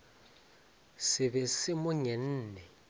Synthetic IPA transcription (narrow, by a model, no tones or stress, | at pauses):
sɪβɛsɪmʊɲɛn̩ːnɛ